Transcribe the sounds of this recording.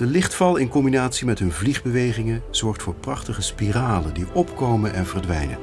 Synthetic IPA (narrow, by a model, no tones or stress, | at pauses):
d̥əlɪχtfɑlˠɪnkɔmbinaːtsimɛtɦɵnvliχbəʋejχɪŋənz̥ɔɹχtfʊːɹprɑχtəχəspiraːləndiʔɔpkowmənʔɛnvəɹdʋɛ̰jnə̰